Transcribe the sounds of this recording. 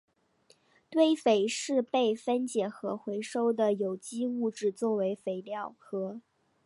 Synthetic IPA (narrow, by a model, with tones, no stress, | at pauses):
t̪we˥˩ɪfe˨˩ɪʂɻ̩˥˧pe˥˩ɪfə˥nt͡ɕjɛ˨˩xɤ˧˥xwe˧˥ɪʂo˥ʊd̪ə˨jo˨˩ʊt͡ɕi˥u˥˧ʈ͡ʂɻ̩˥˧t͡swɔ˥˩we˧˥ɪfe˨˩ɪljɑ˥˩ʊxɤ˧˥